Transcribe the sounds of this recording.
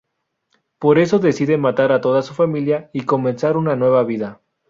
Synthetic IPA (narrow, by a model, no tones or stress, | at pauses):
po̞ɾe̞so̞ðe̞siðe̞nmat̪aɾat̪o̞ðasufamiljaiko̞mẽ̞nsaɾunanwe̞βaβiða